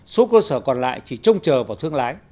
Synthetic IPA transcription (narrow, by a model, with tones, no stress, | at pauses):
so˨˦kəː˧səː˧˩kɔ˨˩nla̰ː˧˨jt͡ɕi˧˩t͡ɕə˧wŋ͡mt͡ɕəː˨˩vaː˨˩wt̪ʰɨ˧əŋlaː˨˦j